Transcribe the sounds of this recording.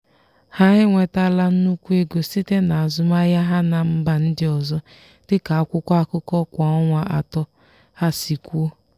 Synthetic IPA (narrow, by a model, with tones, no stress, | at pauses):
ha˦ɦɪ˦ŋʷe˨ta˦la˦n̩˦nu˦kʷu˦e˦ɡo˨si˦te˦na˨a˨zʊ˦ma˦ja˦ɦa˦na˦m̩˦ba˨n̩˦dɪ˦ɔ˨zɔ˦ | d̥ɪ˦ka˨a˦kʷʊ˦kʷa˦kʊ˦kɔ˦kʷa˨ɔ˦ŋʷa˨ʔa̰˨tɔ˦ | ha˦si˨kʷu˦o˦